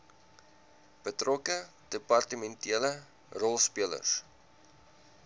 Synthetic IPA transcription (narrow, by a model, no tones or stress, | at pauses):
b̥ətrɔkə | d̥əpɐrtəmɛntiələ | rɔlˠspiələ̰rs